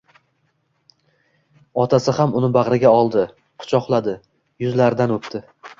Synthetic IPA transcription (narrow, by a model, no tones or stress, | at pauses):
ɒt̪ʰasɪhamʊnɪbaʁɾɪɡʲaɒlˠd̪ɪ | qʰʊ̥t͡ʃʰɒqlˠad̪ɪ | jʊzlaɾd̪anɵpt̪ʰɪ